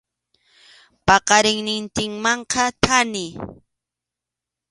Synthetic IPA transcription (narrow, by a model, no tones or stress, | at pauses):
pɑqɑɾɪŋnɪnt̪ɪŋmɑɴqɑt̪ʰanɪ